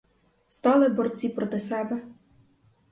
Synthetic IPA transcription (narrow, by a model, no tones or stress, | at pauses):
st̪ɑlˠɪbɔrt͡sʲipɾɔt̪ɪsɛbɛ